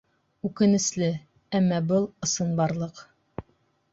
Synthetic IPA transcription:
ʉkɘ̆nɘ̆slɘ | æmːɑbɤlˠɤ̆sɤnbɑɾlˠɤq

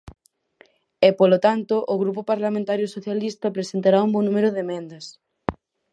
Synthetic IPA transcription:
epolot̪ant̪ʊʔːɣɾupopaɾlamẽnt̪aɾjʊsoθjalist̪ɐpɾesent̪aɾaumbonũmeɾʊðemẽnd̪ɐs

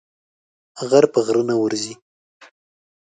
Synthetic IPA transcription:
ɣaɾpəɣɾənawəɾzi

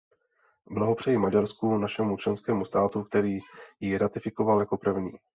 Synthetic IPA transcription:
blaɦo̞pr̥ɛjɪmaɟaɾskunaʃɛmut͡ʃlɛnskɛːmust̪aːt̪uk̚t̪ɛɾiːjɪɾat̪ɪfɪko̞valjako̞pr̩vɲiː

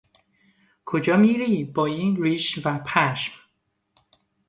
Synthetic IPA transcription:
kʰod͡ʒɒːmiːɾiːbɒːiːnɾiːʃvæpʰæʃm

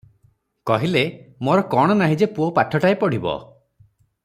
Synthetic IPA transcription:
kɔɦilemoɾɔkɔɽ̃ɔnaɦid͡ʒepuopaʈʰɔʈaepɔɽ̤ibɔ̰

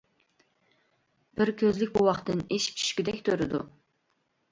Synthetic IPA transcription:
b̥ɪɾkʲʰøzlɪkʲbuwɑχt̪ɨneʃt͡ʃʰi̥ʃkʲid̪ɛkʲt̪ʰøɾɪd̪ṵ

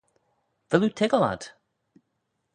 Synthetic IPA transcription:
ðəlutʰɪɡɔla̰d̥

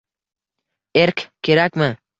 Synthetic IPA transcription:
eɾkʲkʲʰːe̞ɾakʲmɪ

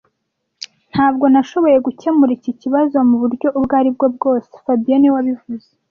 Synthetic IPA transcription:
n̥haːb̚ɡo̞naʃo̞βo̞je̞ɡucemuɾiciciβazo̞muβuɾɟo̞ʔubɡaːɾibɡo̞b̚ɡo̞ːse̥fabijaniwaβivuze

